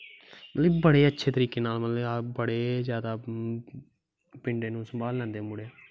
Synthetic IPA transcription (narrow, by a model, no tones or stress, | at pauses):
mət̪ləibəɽeːətːʃʰeːt̪əɾiːkeːnaːlmət̪libəɽeːzjaːd̪aː | pɪɳɖeːnũːsəmbʱaːllɛ̃ːnd̪eːmʊɽeː